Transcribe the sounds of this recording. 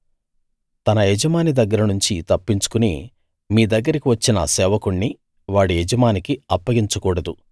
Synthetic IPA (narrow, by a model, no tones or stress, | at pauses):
t̪ɐnɐjɛd͡ʒɐmaːnid̪ɐɡːɐɾɐnuɲt͡ʃit̪ɐpːiɲt͡ʃu̥kunḭ | miːd̪ɐɡːɐɾikiʋɐt͡ʃːinɐ̰sɛːʋɐkuɳːi | ʋaːɽijɛd͡ʒɐmaːnikiɐpːɐɡiɲt͡ʃukuːɽɐd̪u